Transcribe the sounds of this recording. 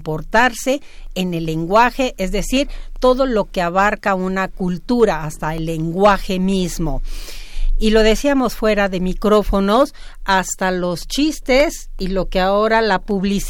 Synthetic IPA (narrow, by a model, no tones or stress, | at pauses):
po̞ɾt̪aɾse̞ː | ne̞lːe̞ŋɡwaxe̞ʔezðe̞siɾt̪o̞ðo̞lo̞ke̞aβaɾkaunakult̪uɾaːst̪aelːe̞ŋɡwaxe̞mizmo̞ | ilo̞ðe̞siamo̞sfwe̞ɾaðe̞mikɾo̞fo̞no̞s | ast̪alo̞st͡ʃist̪e̞silo̞keao̞ɾalapuβlis